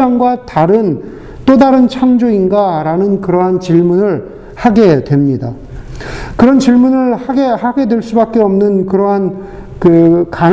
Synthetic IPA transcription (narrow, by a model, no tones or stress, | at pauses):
aŋɡwataɾɯn | t͈odaɾɯnt͡ɕʰaŋd͡ʑoinɡaɾanɯnkɯɾʌɦant͡ɕiɭmunɯɭ | haɡe̞dwe̞mɲida | kɯɾʌnt͡ɕiɭmunɯɭhaɡe̞haɡe̞dwe̞ɭs͈ubak͈̚e̞ʌmnɯnkɯɾʌɦan | kɯka